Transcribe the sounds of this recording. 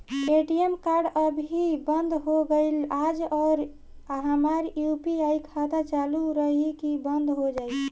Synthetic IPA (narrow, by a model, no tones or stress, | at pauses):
eʈiemkaɾɖəbʱibənd̪ʱɦoɡəɪlad͡ʒɔɾ | ɦamaɾjupiajkʰad̪at͡ʃaluɾəɦikibənd̪ʱɦod͡ʒaɪl